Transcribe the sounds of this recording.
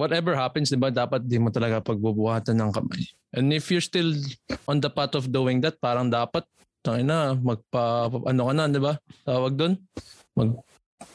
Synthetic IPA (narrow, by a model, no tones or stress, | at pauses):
wɔt̪ɛvɛɹhapɛnsd̪ɪbad̪aːpɐt̪̚d̪imot̪ɐlɐɡapɐɡ̚bubʊhaːt̪ɐnːɐŋkɐma̰j | ʔɛ̃nd̪ɪfjʊɹst̪ɪlʔɔ̃nd̪ɐpat̪ɔfd̪uɪŋd̪ɐt̪̚paːɾɐŋd̪aːpɐt̪̚ | t̪ɐŋɪnamɐɡ̚pɐʔɐnokɐnand̪ɪbat̪aːwɐɡ̚d̪on | mɐɡ̚